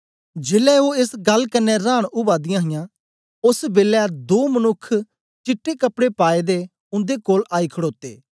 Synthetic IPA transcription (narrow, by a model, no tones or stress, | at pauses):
d͡ʒeːlɛːoːɪsɡɐlkənːɛɾãːɽ̃ʊbaːd̪ɪjãːɦɪjãː | ʊsbeːlɛːd̪oːmənʊkʰː | t͡ʃɪʈːeːkəpɽeːpaːeːd̪eː | ʊ̃nd̪eːkoːlʔaːiːkʰəɽoːt̪ḛː